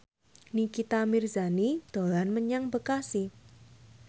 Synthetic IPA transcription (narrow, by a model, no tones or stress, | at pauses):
nikit̪amirzanid̪̥o̤lanməɲaŋbəkasi